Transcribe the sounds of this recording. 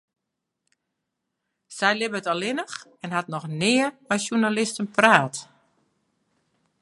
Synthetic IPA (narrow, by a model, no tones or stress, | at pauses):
sɛjlɪbəətɔlˠɪnəxɛnɦatnɔxnɪːərmɛjʃjunalɪstənpraːt